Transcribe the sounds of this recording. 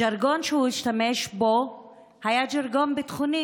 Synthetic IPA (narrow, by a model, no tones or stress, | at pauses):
d͡ʒaɾɡo̞nʃehuiʃtameʃbo̞ | hajad͡ʒaɾɡo̞nbet̪χuni